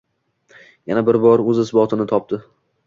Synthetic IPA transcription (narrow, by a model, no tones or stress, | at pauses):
janabɪɾbɒɾɵzɪsbɒt̪ʰɪnɪt̪ʰɒp̚t̪ɪ